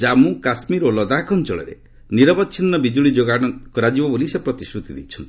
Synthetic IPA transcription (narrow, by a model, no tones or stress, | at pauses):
d͡ʒamũkasmiɾolɔd̪akɔnt͡ʃɔɭḛɾḛ | niɾɔbɔtːʃʰinːɔbid͡ʒuɭid͡ʒoɡaɽ̃ɔkɔɾad͡ʒibɔbolisepɾɔt̪isɾut̪id̪ḭt͡ʃʰɔnt̪